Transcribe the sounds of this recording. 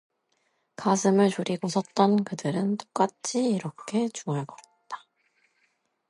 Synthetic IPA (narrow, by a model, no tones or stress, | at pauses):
kasʰɯmɯɭt͡ɕuɾiɡosʰʌt̚t͈ʌnkɯdɯɾɯnt͈o̥k͈at͡ɕʰiːɾʌkʰe̞t͡ɕuŋaɭkʌ | t͈ḁ